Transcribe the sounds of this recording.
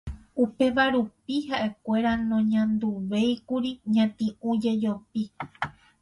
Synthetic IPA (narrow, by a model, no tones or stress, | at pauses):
upe̞ʋaɾupiɦaʔe̞kʷe̞ɾanõɲãnd̪uʋe̞jkuɾiɲãt̪ĩũd͡ʒe̞d͡ʒopi